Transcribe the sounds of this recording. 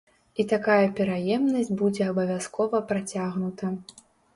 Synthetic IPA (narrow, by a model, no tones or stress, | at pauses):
it̪akajɐpʲɛɾajɛmnɐsʲd͡zʲbud͡zʲɛɐbɐvʲjaskɔvɐpɾat͡sʲaɣnut̪ɐ